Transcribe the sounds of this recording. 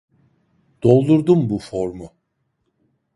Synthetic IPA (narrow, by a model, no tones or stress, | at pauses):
d̪̥o̞lˠd̪uɾd̪umbufoɾmʊ